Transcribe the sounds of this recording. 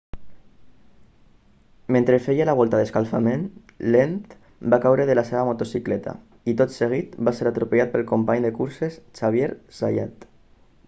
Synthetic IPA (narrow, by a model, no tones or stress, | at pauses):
mẽnt̪ɾefejalaβ̞ɔlˠt̪aðeskalfamen | lent̪ | bakawɾeðelaseβamot̪osiklɛt̪a̰ | it̪ot̪seɣ̞it̪baseɾat̪ɾupeʎat̪̚pəlˠkompaɲd̪ekuɾsest͡ʃaβ̞jeɾsaja̰t̪